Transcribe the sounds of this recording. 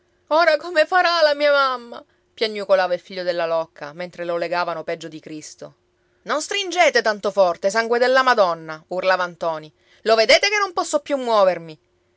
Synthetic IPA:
oːɾakomefaɾalamiːamamːa | pjaɲːukolaːvailfiʎːod̪elːalɔkːa̰ment̪ɾeloleɡaːvanopɛd͡ʒːod̪ikɾist̪o̰ | nonst̪ɾind͡ʒeːt̪et̪ant̪ofɔrt̪esaŋɡwed̪elːamad̪ɔnːaurlaːvant̪ɔːni | loved̪eːt̪ekenːompɔsːopjumːwɔːvermi

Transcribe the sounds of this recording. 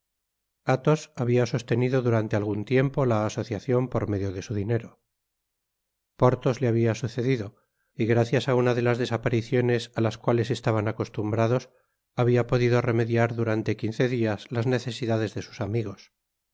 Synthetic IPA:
at̪o̞saβiaso̞st̪e̞niðo̞ðuɾant̪e̞alɣunt̪je̞mpo̞laːso̞θjaθjo̞mpo̞ɾme̞ðjo̞ðe̞suðine̞ɾo̞ | po̞ɾt̪o̞zleaβiasuθe̞ðiðo̞ | iɣɾaθjasaunaðe̞lazðe̞sapaɾiθjo̞ne̞salaskwale̞se̞st̪aβanako̞st̪umbɾaðo̞s | aβiapo̞ðiðo̞re̞me̞ðjaɾðuɾant̪e̞kinθe̞ðiazlazne̞θe̞siðaðe̞zðe̞su̥samiɣ̞o̞s

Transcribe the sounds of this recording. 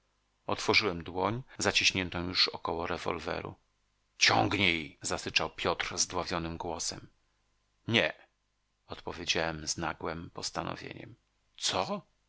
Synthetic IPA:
ɔt̪fɔʐɨwɛmd̪wɔɲzat͡ɕiɕɲɛnt̪ɔ̃juʂɔkɔwɔɾɛvɔ̰lvɛ̰ɾṵ | t͡ɕɔ̰ŋɡɲejzasɘt͡ʂawpʲjɔt̪ɾzd̪wavʲjɔnɘmɡwɔsɛm | ɲɛ | ɔt̪pɔvʲjed͡ʑawɛmznaɡwɛmpɔst̪anɔ̰vʲjḛɲɛ̰m | t̪sɔ

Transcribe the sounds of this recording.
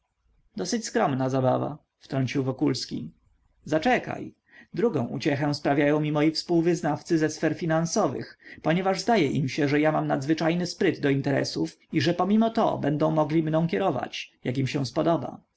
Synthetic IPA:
d̪ɔsɘt͡ɕskɾɔmnazaba̰va̰ | ft̪ɾɔɲt͡ɕiwvɔkulskʲi | zat͡ʂɛka̰j | d̪ɾuɡɔ̰̃w̃ʔṵt͡ɕɛxɛw̃spɾavʲjajɔ̃w̃mʲimɔjifspuwvɘznaft̪sɘzɛsfɛɾfʲinansɔvɘ̰xpɔɲɛvaʐzd̪ajɛʔimɕɛʐɛjamamnad̪zvɘt͡ʂajnɘspɾɘd̪ːɔint̪ɛɾɛ̰suf | iʐɛpɔmʲimɔt̪ɔ̰bɛnd̪ɔ̃w̃mɔɡlʲimnɔ̃w̃kʲɛɾɔva̰t͡ɕjak̬imɕɛ̃spɔd̪ɔba̰

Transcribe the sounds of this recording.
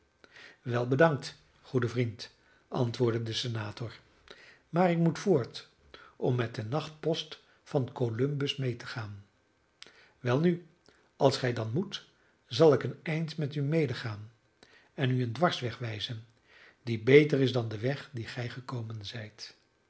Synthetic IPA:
ʋɛlˠbədɑŋk̚t | χudəvrint | ʔɑ̰ntʋʊːɹdədəsənaːtʊɹ | maːɹɪkmutfʊːɹt | ʔɔmːɛt̚dənɑχt̚pɔst | fɑnkolɵmbəsmejtəχaːn | ʋɛlˠny | ʔɑlˠsχɛjdɑnmut | zɑlˠɪkənɛjntmɛtymejdəχaːn | ɛnyəndʋɑɹsʋɛχʋɛjzən | dibejtərɪzdɑndəʋɛχdiχɛjχəkowmənzɛjt

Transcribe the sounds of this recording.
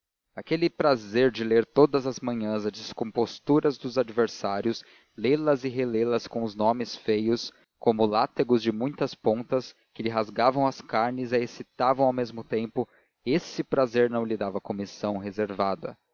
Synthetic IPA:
akelɪpɾazeɾd͡ʒɪleɾt̪od̪ɐzɐzmɐ̃ɲɐ̃zɐd͡ʒɪskõmpost̪uɾɐzd̪ʊzad͡ʒiveɾsaɾjʊs | lelɐzɪɦelelɐskõw̃ʊznõmɪsfejʊs | kõmʊlat̪eɡʊzd͡ʒɪmũj̃t̪ɐspõt̪ɐs | kɪlɪɦazɡavɐ̃w̃ɐskaɾnɪzaesit̪avɐ̃w̃awmezmʊt̪ẽmpʊ | esɪpɾazeɾnɐ̃w̃lɪd̪avɐkomisɐ̃w̃ɦezeɾvad̪ɐ̰

